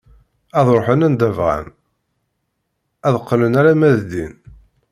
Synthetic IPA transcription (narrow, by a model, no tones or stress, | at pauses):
æðˤɾoħənænd̪ævʁæ̰n | æðqːlənæɾæmæðd̪ḭn